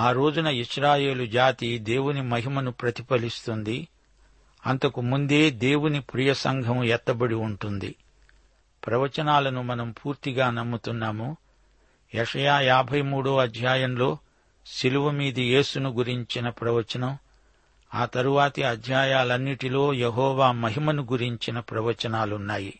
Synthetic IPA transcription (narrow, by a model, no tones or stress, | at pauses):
aːɾo̞ːd͡ʒunɐiʂɾaːje̞ːlud͡ʒaːt̪id̪e̞ːwunimɐɦimɐnupɾɐt̪ipɐlist̪und̪i | ɐnt̪ɐkumund̪e̞ːd̪eːwunipɾijɐsɐ̰ŋɡʱɐmɛt̪ːɐbɐɽiuɳʈund̪ḭ | pɾɐʋɐt͡ʃɐnaːlɐnumɐnɐmpʰuːɾt̪iɡaːnɐmːut̪unːaːmu | jɛʂɐjaːjaːbʱɐjmuːɽoːɐd̪ʱjaːjɐmlo̞ː | siluʋɐmiːd̪ije̞ːsunuɡuɾiɲt͡ʃinɐpɾɐʋɐt͡ʃɐnɐm | aːt̪ɐɾuʋaːt̪ɐɐd̪ʱjaːjaːlɐnːiʈilo̞ːjeɦɔːʋaːmɐɦimɐnuɡuɾiɲt͡ʃinɐpɾɐʋɐt͡ʃɐnaːlunːaːji